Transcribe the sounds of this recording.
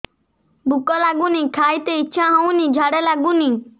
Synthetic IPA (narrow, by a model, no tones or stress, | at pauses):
bʱukɔlaɡunikʰaːjt̪eiːɕʰaɦɔ̃ũnid͡ʒʱaɽelaɡuni